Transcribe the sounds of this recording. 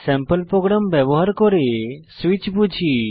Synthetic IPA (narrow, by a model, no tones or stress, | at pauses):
sɛ̃mpəlpɾɔɡɾamʋjəʋɦaɾkɔɾesʋit͡ʃbud͡ʒʱi